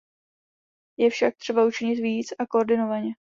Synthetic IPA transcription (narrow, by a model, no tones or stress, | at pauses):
jɛfʃak̚t̪r̝̥ɛbaut͡ʃɪɲɪt̪viːt͡sakoʔoɾdɪno̞vaɲɛ